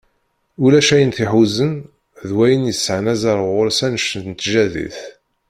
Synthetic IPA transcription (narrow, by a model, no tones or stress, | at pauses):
ulæʃæjənθiħuzən | ðwæjənjəsːəʕnæzɑɾˤʁʊɾsænʃənnt̪ʒæðḭθ